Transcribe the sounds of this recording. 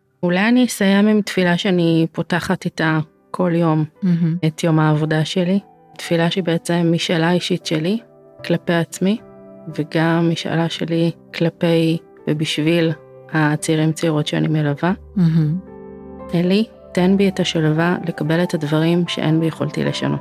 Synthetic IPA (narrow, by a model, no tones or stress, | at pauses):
ulajanisajemimtfilaʃeanipo̞taχatita | kʰo̞ljo̞m̩etjo̞maːvo̞daʃeli | tfilaʃibeet͡semːiʃalaiʃitʃeli | klape̞jat͡smiveɡamːiʃa̰laʃelikʰlape̞j | vebiʃvil | hat͡seiʁimt͡seiʁotʃea̰nimelava | eli | tenbietaʃalevale̞kabe̞letadvaʁimʃḛʔḛnbijeχo̰ltḭleʃa̰not